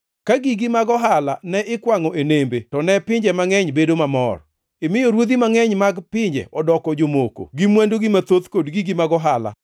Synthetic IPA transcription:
kaɡiɡimaɡɔɦalanɛʔɪkwaŋɔʔenembetɔnɛpɪɲd͡ʒɛmaŋɛɲbedomamɔ̰r | ɪmɪjɔɾwod̪imaŋɛɲmaɡpɪɲd͡ʒɛ̰ʔɔdɔkɔd͡ʒomoko̰ɡimwɛndoɡɪmat̪ot̪kodɡiɡimaɡɔɦala̰

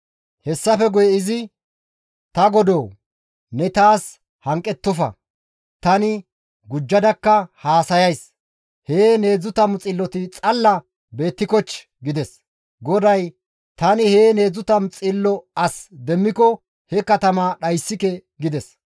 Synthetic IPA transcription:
hɛsːɐfɛɡɔjɛɪzɪ | t̪ɐɡɔd̪oː | nɛt̪aːs | hɐŋkʼːɛt̪ːɔfɐ̰ | t̪ɐnɪ | ɡʊd͡ʒːɐd̪ɐkːɐhaːsɐjɐjs | heːne̞ːd͡zʊt̪ɐmt͡sʼɪlːɔt̪ɪt͡sʼɐlːɐ | be̞ːt̪ːɪkɔt͡ʃː | ɡɪd̪ɛs | ɡɔd̪ɐj | t̪ɐnɪhe̞ːne̞ːd͡zʊt̪ɐmt͡sʼɪlːɔɐsd̪ɛmːɪkɔ | hɛkɐt̪ɐmaɗɐjsːɪkɛ | ɡɪd̪ɛs

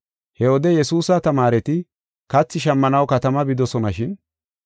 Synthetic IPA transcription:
hɛwɔd̪ɛjɛsuːsɐt̪ɐmaːɾɛt̪ɪ | kɐt͡sːɪʃɐmːɐnɐwkɐt̪ɐmɐbɪd̪ɔsɔnɐʃɪn

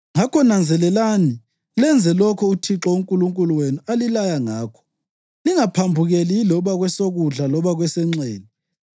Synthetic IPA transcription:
ŋakʰɔnand͡zʱɛlɛlani | lɛnd͡zʱɛlɔkʰɔutʰiǁɔuŋkʼuluŋkʼuluwenualilajaŋaːkʰɔ̥ | liŋapʰambʱuɣelilɔβaɣwɛsoɣuɮalɔβaɣwɛsɛŋ͡ǀeːni

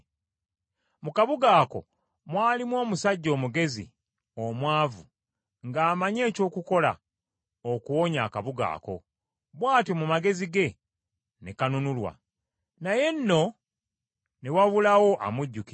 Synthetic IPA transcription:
mukaβuɡaːko̞̰ | mwaːlimwo̞ːmusaɟːo̞ːmuɡe̞zḭ | omwaːvu | ŋɡaːmaɲe̞ːco̞ːkuko̞la̰ | okuwo̞ɲa̰ːkaβuɡa̰ːko̞̰ | βwaːtimumaɡe̞ziɡe̞ | nekanunulwa̰ | naje̞nːo̞ | ne̞waβulawo̞ʔa̰muɟːuki

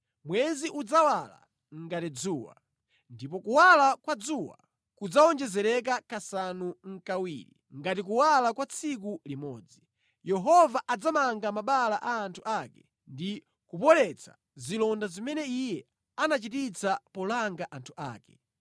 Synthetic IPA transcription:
mwɛziʔud͡zawala̰ | ŋ̩ɡatid͡zuːwa̰ | ndipɔkuwalakwad͡zuwa̰ | kud͡zaɔnd͡ʒɛzɛɾɛk̬akasanuŋ̩kawḭɾḭ | ŋɡatik̬uwalakwat͡sʰik̬ulimɔ̰ːd͡zi | jɛɦɔvaʔad͡zamaŋɡamaɓalaʔaːntʰuʔakɛ | ndi | kupɔlɛt͡sʰa̰ | zilɔndazimɛnɛijɛ | anat͡ʃitit͡sapɔlaŋɡaʔantʰuʔa̰ːkɛ̰

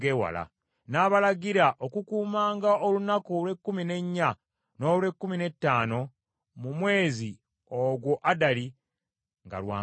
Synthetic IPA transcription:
ewa̰la̰ | naβalaɡiɾaʔo̞kukuːmaːŋɡaolunakolwe̞kːumine̞ɲːa | no̞ːlwe̞kːumine̞tːaːno̞ | mumwe̞ːzi | oɡwo̞ʔadali | ŋɡa̰lwa̰ː

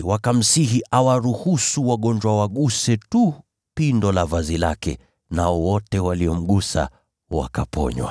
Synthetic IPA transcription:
wakam̩siɦiʔawaɾuhusuwaɠɔɲd͡ʒwawaɠusɛtu | pindɔlavazilakɛ̰ | naɔwɔtɛwaliɔm̩ɠusa̰ | wa̰kapʰɔ̰ɲwa̰

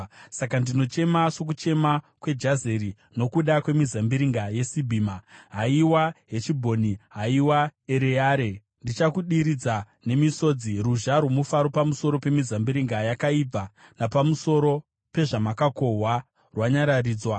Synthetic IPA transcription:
sakandino̞t͡ʃe̞maʂok̬ut͡ʃe̞ma | kwe̞d͡ʒaze̞ɾi | no̞kuɗakwe̞mizambiɾiŋɡaje̞sibʱiːmaɦaiwaɦe̞t͡ʃibʱo̞niɦaiwaeɾejaːɾe̞ | ndit͡ʃakuɗiɾid͡za | ne̞miso̞d͡ziruʒaɾwomufaɾo̞pamuso̞ɾo̞pe̞mizambiɾiŋɡajakaib͡vanapamuso̞ɾo̞ | pe̞ʐamakako̞ɦwa | rwaɲaɾariːd͡zwa

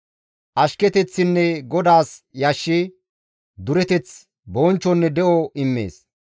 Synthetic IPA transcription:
ʔɐʃkɛt̪ɛt͡sːɪnːɛɡɔd̪aːsjɐʃːɪ | d̪ʊɾɛt̪ɛt͡s | boːnt͡ʃːɔnːɛd̪ɛʔɔɪmːḛːs

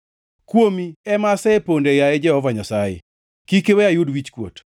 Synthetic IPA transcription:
kwomiɛmasɛpondejaɛd͡ʒɛhɔvaɲasajḛ | kikewɛajudwit͡ʃkwo̰t

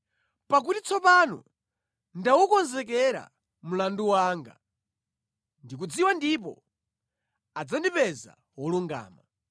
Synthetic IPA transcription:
pak̬utit͡sʰɔpanɔ̰ | ndawukɔnzɛkɛɾa̰ | m̩landuwaːŋɡa̰ | ndik̬ud͡ziwandip̬ɔ̰ | ad͡zandipɛza̰ | wɔluŋɡa̰ːma

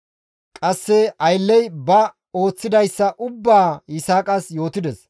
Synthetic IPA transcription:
kʼɐsːɛɐjlːɛjbɐ | o̞ːt͡sːɪd̪ɐjsːɐʔʊbːaːjɪsaːkʼɐsjo̞ːt̪ɪd̪ɛs

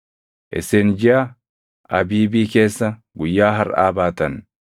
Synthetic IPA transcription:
ʔɪsend͡ʒɪa | ʔɐbiːbiːke̞ːsːɐ | ɡʊjːaːɦɐɾa̰ːbaːt̪ɐn

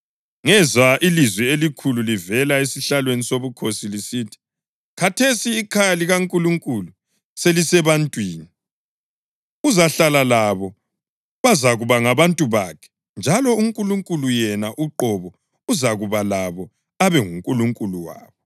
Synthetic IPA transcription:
ŋɛzwaʔilizwɛelikʰululivɛlaesiɬalwenisoβukʰosilisitʰi̥ | kʰatʰesiːkʰajaliɣaŋkʼuluŋkʼulu | selisɛβantʼwiːni | uzaɬalalaβɔ | βazaɣuβaŋaβantʼuβakʰɛ̥ | nd͡ʒʱalɔuŋkʼuluŋkʼulujɛnaʔuǃɔβɔ | uzaɣuβalaβɔ | aβɛŋuŋkʼuluŋkʼuluwa̰ːβɔ

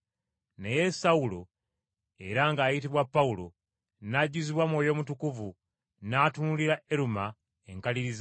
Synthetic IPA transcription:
neje̞sawulo̞ | e̞ɾaŋɡaːjit̬iβwapːawulo̞̰ | naɟuziβwamwo̞ːjo̞mutukuvu | naːtunuliɾaeɾuma | eŋkaliɾiz

